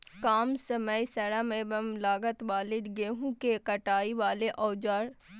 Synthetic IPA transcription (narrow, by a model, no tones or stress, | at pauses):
kaːmsəməjsɐɽamẽbɐmlaːɡət̪ʋaːlɪd̪ɡeɦũkekəʈaːiʋaːleʔɔːd͡ʒaːɾ